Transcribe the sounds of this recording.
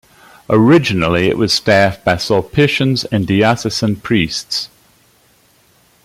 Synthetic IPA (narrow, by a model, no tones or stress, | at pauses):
əɹɪd͡ʒɪnəliɪ̰ʔwʔɒz̥stæˑfb̥aɪsɔlˠpʰɪʃə̃nzə̃ndiasəsə̃npʰɹ̥iˑsts